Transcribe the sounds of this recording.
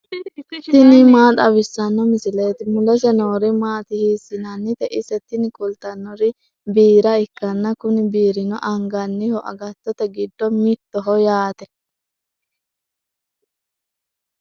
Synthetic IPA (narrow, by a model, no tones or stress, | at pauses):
t̪ɪnɪmaːt̪ʼɐbɪsːɐnːɔmɪsɪleːt̪ɪmʊlɛsɛnoːɾɪmaːt̪ɪhiːsːɪnɐnːɪt̪ɛʔɪsɛt̪ːɪnɪkʼʊlt̪ɐnːɔɾɪ | biːɾɐɪkːɐnːɐkʊnɪbiːɾɪnɔ̰ʔɐŋɡɐnːɪhɔʔɐ̰ɡɐt̪ːɔt̪ɛɡɪd̪ːɔmɪt̪ːɔɦɔjaːt̪ɛ